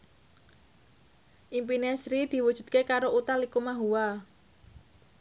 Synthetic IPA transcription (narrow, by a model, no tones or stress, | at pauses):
ʔimpinesɾid̪̥i̤wud̥ʒ̥ṳd̪̥̚kekaɾoʔut̪alikumaɦuwa